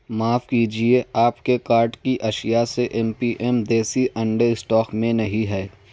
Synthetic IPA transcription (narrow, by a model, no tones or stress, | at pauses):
maːfkiːd͡ʒieaːpkekaːɾɖkiʔɐʃɪjaseʔɛmpiːʔɛmd̪eːsiʔɐ̃ɳɖesʈɔːkmẽnɐɦĩɦɛː